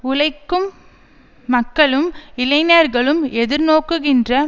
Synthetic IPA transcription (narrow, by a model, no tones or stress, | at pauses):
ʊlɐɪkːɯmː | ɐkːɐɭɯmɪlɐɪnɐɾɣɐɭɯmɛðɪɾnoːkːɯɣɪndrɐ